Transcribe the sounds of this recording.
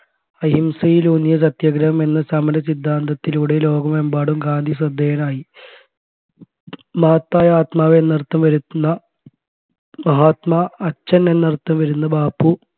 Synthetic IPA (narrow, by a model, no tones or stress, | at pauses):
ɐɦimsɐjilunjɐsɐt̪jɐɡɾɐʋɐme̞nːɐsɐmɐnɐsid̪ʱːaːnd̪ɐt̪ːiluɽelo̞ːɡɐme̞mbaːɽumɡaːnd̪ʱisrɐd̪ːeːjɐnaːji | maːt̪ːaːjaːt̪maːʋeenːɐrt̪ːɐmʋɐɾunːɐ | mɐɦaːt̪maːt͡ɕːɐnenːɐrt̪ːɐmʋɐɾunːɐbaːpːu